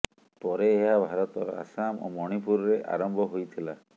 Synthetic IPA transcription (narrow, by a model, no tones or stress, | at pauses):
pɔɾeːɦabʱaɾɔt̪ɔɾɔ̰a̰samo̰mɔɽ̃ipuɾɔɾeʔa̰ɾɔmbʱɔɦojt̪ʰila